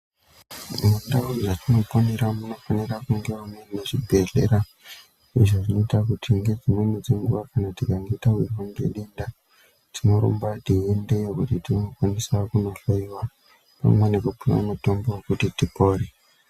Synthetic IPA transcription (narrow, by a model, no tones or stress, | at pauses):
nendauʐatino̞poneɾamuno̞fanirakuŋɡewamweneʐibʱe̞ɮe̞̰ɾa | iʐoʐino̞itakutʰiŋɡe̞d͡zimenid͡zeŋɡuʋakanatikaŋɡe̞itairwaŋɡḛɗinda | tʰino̞ɾo̰mbatiende̞jekutitiokwanisakuno̞ɬoiwa | pa̰mwene̞kupuna̰muto̞mbo̞wokutitipo̞ːɾe